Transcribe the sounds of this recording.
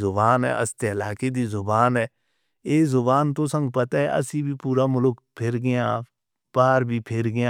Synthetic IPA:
zʊbaːnɦɛ̰ːʔə̰st̪eəlaːked̪iːzʊbaːnɦɛː | eːzʊbaːnt̪oːsə̃ŋɡpət̪aːɦɛʔə̰siːbʱiːpuːɾaːmʊlʊk | pʰɪɾɡɪjãː | paːɾbʱiːpʰɪɾɡɪjãː

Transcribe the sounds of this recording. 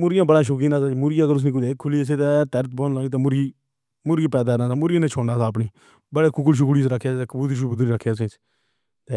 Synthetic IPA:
mʊɾɪjãːbəɽãːʃʊk̬iːnãːsaːmʊɾɪjãːkəɾʊs̬nĩːkʊd̪eːkʰːʊliːs̬eːt̪eːt̪ɛɾət̪̚boːnlaːniːt̪̬eːmʊɾɡiː | mʊɾɡiːpɛːd̪aːnaːsaːmʊɾɪjãːneːt͡ʃʰoːnaːsaːp̬ɳiː | bəɽeːkʊk̬lʃ̬ukɽiːsɾakʰːjaːeːkəbuːt̪iʃ̬uːbʊd̪ɾiːɾəkʰːjaːs̬ẽːt͡ʃː | t̪eː

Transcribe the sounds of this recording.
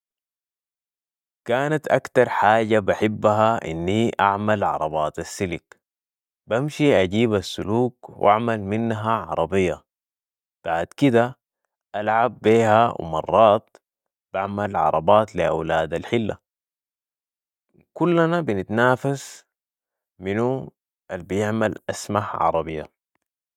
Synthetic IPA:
kaːnat̪ʔakt̪ɑɾˤħaːɟabaħibːaɦaʔḭnːiʔaʕmalʕɑ̰ɾˤɑbɑːt̪asːilik | bamʃiʔaɟiːbasːuluːkwʔa̰ʕmalminːɦaʕɑ̰ɾˤɑbijːa | b̥aʕd̪kid̪a | ʔalʕabːiːhaw̰mɑrˤːɑːt̪̚ | b̥aʕmalʕɑ̰ɾˤɑbɑːt̪liʔa̰wlaːd̪alħilːa̰ | kulːanabinit̪naːfas | minu | ʔalbijɪʕmalʔasmaħʕɑ̰ɾˤɑbijːa

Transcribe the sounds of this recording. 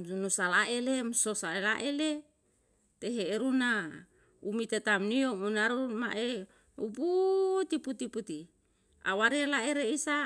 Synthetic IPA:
unusalaʔelemsosaelaʔele | t̪eɦeːɾuna | umit̪et̪amniomunaɾumaʔe | ṵput̪iput̪iput̪i | a̰waɾialaeɾeisa

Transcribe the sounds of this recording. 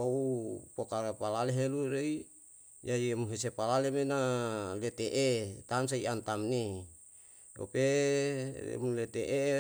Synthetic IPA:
oupokapalaleɦeluɾei | jaiemuɦesepalalemenalet̪eʔet̪ams̬aiant̪amni | o̰pe | ḛmulet̪eʔe

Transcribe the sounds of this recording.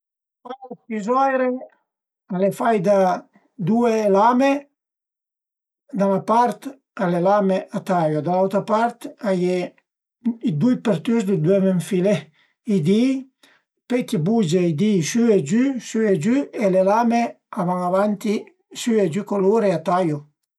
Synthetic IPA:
fajopizɔjɾe | alefajd̪a | d̪uelame | d̪anapaɾt̪ | alelameʔat̪ajod̪alawt̪ɾapaɾt̪aje | id̪ujpeɾt̪yzd̪ed̪wɛmeɱfile | id̪i | pekibud͡ʒeid̪isyed͡ʒysyed͡ʒyelelame | avaŋavant̪i | syed͡ʒykoloɾeat̪ajo

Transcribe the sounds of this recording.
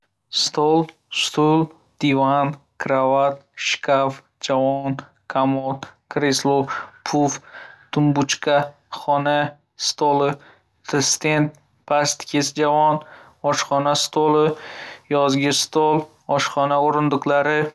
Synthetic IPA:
st̪ʰolˠ | st̪ʰʊlˠ | d̪̥ivankʰɾavat̪̚ʃkʰaf | d͡ʒavɒn | kʰamolkɾeslˠopʰuft̪ʰʊmbʊt͡ʃkʰa | χɒna | st̪olˠɪ | t̪ʰɪst̪ent̪̚ | pʰast̪kʲʰesd͡ʒavɒn | ɒʃχɒnast̪ʰolɪjɒzɡʲɪst̪olˠ | ɒʃχɒnaoɾɪnd̪ʊqlaɾɪ

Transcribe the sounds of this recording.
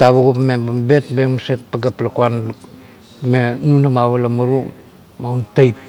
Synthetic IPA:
taβuɡupmebambet̚beŋmaset̚paɡaplakuan | menunamaβalamuɾu | mawntajt̚

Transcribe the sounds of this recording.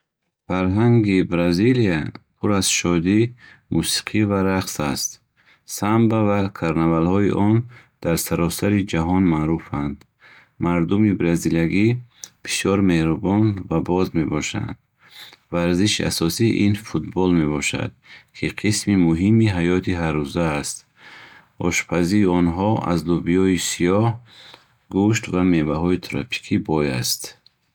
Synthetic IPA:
faɾɦaŋɡibɾaziliapʰuɾaz̥ʃɔd̪i | musi̥qʰivaɾaqsast̪ | sambavakʰaɾnavalhɔiʔɔn | d̪̥aɾsaɾɔsaɾid͡ʒaɦɔnmaːɾufand̪ | maɾd̪umibɾaziljaɡib̥isjɔɾme̞hɾubɔnvabɔzme̞bɔʃa̰nd̪̥ | vaɾziʃia̰sɔsiʔinfut̪bɔlme̞bɔʃa̰d̪̥̚kʰiqʰismimuɦimiɦajɔt̪ʰiɦarːuzaːst̪ | ɔ̰ʃpʰaziːɔnɦɔa̰zd̪ubijɔisijɔh | ɡuʃt̪vamevaɦɔit̪ʰɾɔ̰pʰi̥kʰibɔjast̪

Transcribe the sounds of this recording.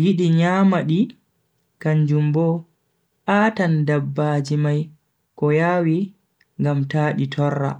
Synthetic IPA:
jiɗiɲaːmaɗi | kaɲd͡ʒumbɔ | ʔaːtandabːad͡ʒimaj | kɔjaːwi | ŋɡamtaːɗitʰɔrːa̰

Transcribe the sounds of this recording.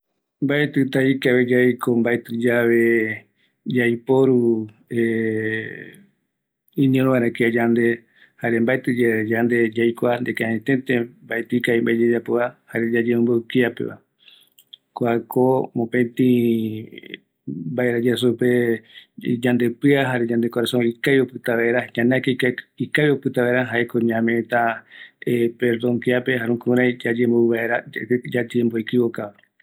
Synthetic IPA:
mbaet̪ɨt̪aikaβed͡ʒajkʰombaet̪ɨd͡ʒaβe | d͡ʒajpoɾu | e | ĩnĩõɾ̃õβãɾ̃ãkiad͡ʒand̪e̞ | haɾembaet̪ɨd͡ʒaed͡ʒand̪e̞d͡ʒajkʷand̪ekãẽt̪ẽt̪ẽmbaet̪ɨkaimbaed͡ʒad͡ʒapoahaɾed͡ʒad͡ʒemũmbowkiapḛβa̰ | koakomõpẽt̪ĩ | baeɾad͡ʒas̬upe | d͡ʒand̪epɨaɦaɾed͡ʒãnd̪ekoɾasõikajopɨt̪aβaeɾaɲãneakaikajopɨt̪aβaeɾaɦaekõɲãmẽt̪aepeɾd̪õŋkiape̞ɦaɾũkũɾãjd͡ʒad͡ʒemboɨβaeɾad͡ʒat̪iembojkɨβokaβa

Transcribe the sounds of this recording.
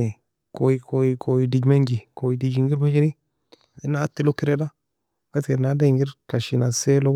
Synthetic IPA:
i | koikojikʰojidid͡ʒmeɲd͡ʒikojidid͡ʒiŋɡiɾmad͡ʒiɾi | inatelokiɾeda | katenadeŋɡiɾkaʃinaselo

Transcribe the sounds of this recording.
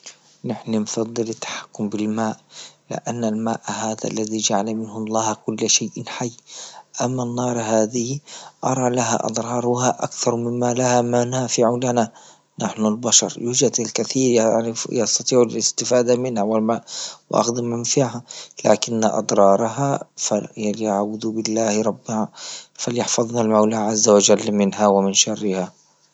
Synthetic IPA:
nɪħnanfɑd̪ˤːɨlɪt̪ːḁħḁkːʊmbɪlmaːʔlɪ̰ʔanːalmaːʔhaːða̰ʔlːaðid͡ʒaʕalamɪnhʊlaːhakʊlːʃajʔɪnħajːʔamːanːɑːɾˤɦaːðɪhiʔɑɾˤɑlaɦa̰ʔɑ̰d̪ˤɾˤɑːɾˤhaʔakθɑɾˤmɪmːalahamanaːfɪʕʊlana | naħnʊlbaʃɑ̰ɾˤjuːd͡ʒad̪alkaθiːɾjɑst̪ɑt̪ˤiːʕalɪst̪ɪfaːd̪amɪnhawalmawɪʔɑ̰xd̪ɪmɪnfiːhala̰ːkɪnːa̰ʔɑ̰d̪ˤɾˤɑːɾˤɑɦafaljaʕbʊd̪bɪlːaːhɾˤɑbːɪhafaljɪħfɑðˤnalmawlaːʕazːawad͡ʒalːmɪnɦawamɪnʃɑrːɪha

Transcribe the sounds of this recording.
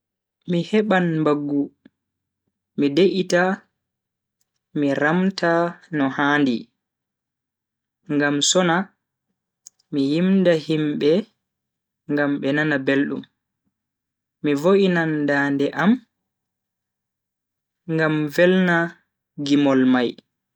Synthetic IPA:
mihɛɓanmbaɡːu | mideʔita | miɾamtanɔhaːndi | ŋɡamsɔna | mijimdahimɓɛ | ŋɡamɓɛnanabelɗṵm | ivoʔinandaːndɛʔam | ŋɡamvɛlna | ɡimɔlmaj

